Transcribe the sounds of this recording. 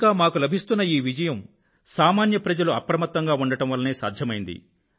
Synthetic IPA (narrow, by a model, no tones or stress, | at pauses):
kaːmaːkulɐbʱist̪unːɐiːʋid͡ʒɐjɐm | saːmaːnjɐpɾɐd͡ʒɐluɐpɾɐmɐt̪ːɐŋɡaːuɳɖɐʈɐmʋɐlːɐneːsaːd̪ʱjɐmɐjind̪ḭ